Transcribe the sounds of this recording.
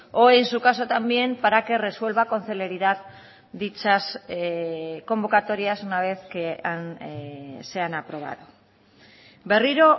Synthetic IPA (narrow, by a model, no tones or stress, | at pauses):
o̞ejnsukaso̞t̪ambje̞mpaɾake̞re̞swe̞lβako̞nθele̞ɾiðað | d̪it͡sas | ko̞mbo̞kat̪o̞ɾiasunaβe̞θken | se̞anapɾo̞β̞a̰ðu | be̞riɾo̞